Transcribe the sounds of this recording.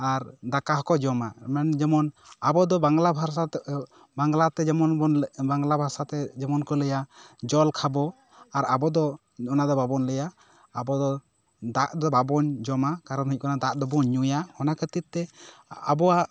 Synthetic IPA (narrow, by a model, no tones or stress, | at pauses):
aɾd̪akaɦkɔd͡ʒɔmamɛnd͡ʒɛmɔnabɔd̪ɔbaŋɡlabʱaɾsa | baŋɡlat̪ɛd͡ʒɛmɔnɔnbaŋɡlabʱaɾsat̪ɛd͡ʒɛmɔnkɔləjad͡ʒɔlkʰabɔ | aɾabɔd̪ɔ | ɔnad̪ɔbabɔnləjaː | bɔd̪ɔ | d̪aʔd̪ɔbabɔɲd͡ʒɔmakaɾɔnɦic̚ˀkɔnad̪aʔd̪ɔbɔɲːujahɔnakət̪it̪ːɛabɔwaʔ